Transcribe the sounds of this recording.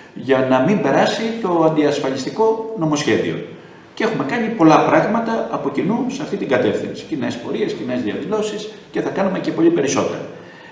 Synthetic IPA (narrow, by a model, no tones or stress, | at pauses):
ʝɐnɐmimbe̞ɾɐsit̪o̞ɐnd̪iɐsfɐʎist̪iko̞no̞mo̞sçe̞ðḭo̞̰ | cee̞xume̞kɐɲipo̞lɐpɾɐɣmɐt̪ɐːpo̞cinuseɐft̪it̪iŋɡɐt̪e̞fθinsi̥cine̞spo̞ɾie̞scine̞zðiɐ̰ðilo̞sis | ce̞θɐkɐnume̞ce̞po̞lipe̞ɾiso̞t̪e̞̰ɾɐ̰